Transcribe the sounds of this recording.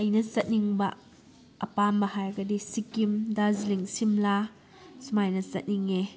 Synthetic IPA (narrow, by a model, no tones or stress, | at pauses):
ɐjnɐsɐt̚niŋbɐ | ɐ̰pambɐhajɐɡɐdisikimdaziliŋsimla | sumajnɐsɐ̰t̚niŋe